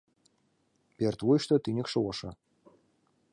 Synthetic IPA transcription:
pʲert̪vujʃt̪ɤ̆t̪inʲɘ̆kʃɤ̆wɤʃɤ̆

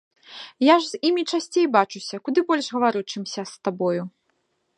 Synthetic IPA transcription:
jaʐz̥imʲit͡ʂasʲt͡sʲejbat͡ʂusʲɐkud̪ɨbɔlʲʐɣɐvaɾut͡ʂɨmsʲɐst̪abɔju

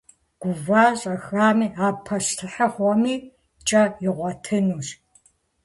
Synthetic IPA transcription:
ɡ̥ʷʊvaːɕʼɐxaːmiːaːpʰːɐɕtʰɨħɐχʷɔmiː | t͡ʃʼɐɪʁʷɔtʰɨnuːɕ

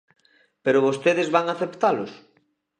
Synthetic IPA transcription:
peɾʊβost̪eðɪzβaŋaθept̪alʊs

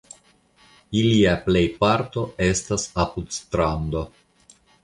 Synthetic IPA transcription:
iliaple̞jpaɾt̪o̞e̞stasapud̪st̪ɾand̪o̞

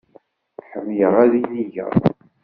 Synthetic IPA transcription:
ħəmːjəʁæðiniʝə̰ɾˤ

